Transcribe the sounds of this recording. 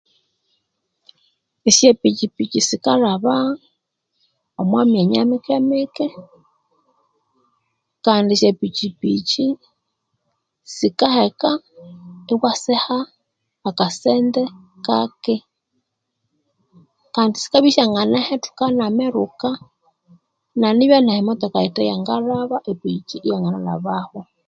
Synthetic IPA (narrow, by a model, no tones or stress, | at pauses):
isjepit͡ʃipit͡ʃisikaɾaβa | omwameɲamikemeke | kandisjepit͡ʃipḭt͡ʃi | sikaheka | eβwasɛhaː | kasɛndɛ | ka̰kɪ | kandisi̥kaβiʃaŋanahɛtu̥kanamɛɾuka | naniβjanahimɔt̪ɔkaitajaŋɡaraβaʔepit͡ʃiʔijaŋanala̰βahɔ